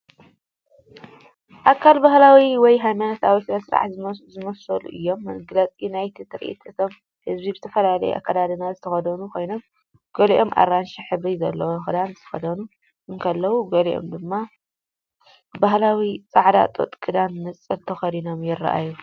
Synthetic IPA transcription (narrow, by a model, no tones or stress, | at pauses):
ʔakʰːalbahlawiwɔjɦajmanɐt̪ʰawisɨɾɐsɾa̰ʕzzɨmɐsɐlṵʔɨ̰jːo̞mːɐɡlɐt͡sʼinajt̪ʰit̪ʰɨɾʔḭt̪ʰɨt̪ʰo̞m | hɨzbibɨt̪ʰɐfɐlalɐ̰j̰ʔa̰kːad̪ad̪ɨnazɨt̪ʰɐxɐd̪ɐnukʰo̞jno̞m | ɡ̥ɐliʔo̞mʔa̰ɾːanʃiħɨβɾizɐlːɐwoxɨd̪anzɨt̪ʰɐ̥xɐd̪ɐnu | ʔɨnkʰɐlːɐwuɡɐliʔo̞̰md̪ɨmːa | baɦlawit͡sʼaʕd̪a̰t̪ʼo̰t̪ʼkʼɨd̪anːɨt͡sʼɐt̪ʰɐxɐd̪ino̞mjɪra̰ʔa̰ju